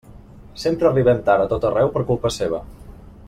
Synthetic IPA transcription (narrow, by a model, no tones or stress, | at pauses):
sempɾəriβənt̪aɾət̪ot̪ərɛwpəɾkulˠpəseβ̞ə̰